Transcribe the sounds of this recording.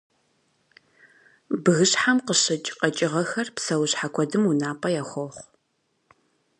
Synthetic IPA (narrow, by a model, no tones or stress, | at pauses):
bɨɣɨɕħamqəɕɨt͡ʃʼqɐt͡ʃʼɪʁɐxɐrpsɐwʊɕħakʷʰɔdɨmunaːpʼɐjaːxʷɔχʷ